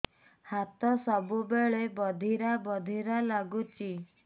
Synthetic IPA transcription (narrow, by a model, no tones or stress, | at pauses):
hat̪ɔsɔbubeɭebɔd̪ʱiɾabɔd̪ʱiɾalaɡut͡ʃʰi